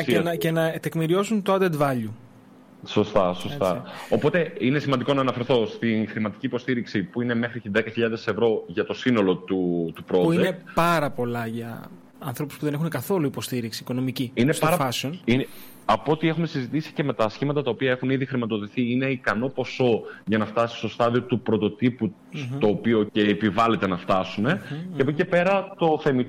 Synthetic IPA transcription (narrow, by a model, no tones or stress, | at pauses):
enɐce̞nɐt̪e̞kmiɾio̞sunt̪oɐd̪ed̪vɐʎu | so̞st̪ɐsost̪ɐo̞po̞t̪e̞ine̞simɐnd̪iko̞nɐːnɐfe̞ɾθo̞st̪inxɾimɐt̪i̥ciːpo̞st̪iɾiksipuine̞me̞xɾiðekɐçiʎɐðe̞se̞vɾo̞ʝɐt̪o̞sino̞lo̞t̪ut̪upɾo̞pdienepɐɾɐpolɐʝɐ | ɐnθɾo̞puspuðe̞nexunekɐθo̞luipo̞st̪iɾiksiːko̞no̞miciinespɐɾɐfɐsonine | ɐpoot̪ie̞xumesizit̪isi̥ce̞me̞t̪ɐːsçimɐt̪ɐt̪ɐopiɐe̞xuniðixɾimɐt̪oðiθiine̞ikɐno̞po̞so̞ʝɐnɐft̪ɐsi̥st̪o̞st̪ɐðio̞t̪upɾo̞t̪o̞t̪ipu | st̪o̞ːpio̞ceːpivɐle̞t̪e̞nɐft̪ɐsune̞ceɐpuce̞pe̞ɾɐt̪o̞θe̞mi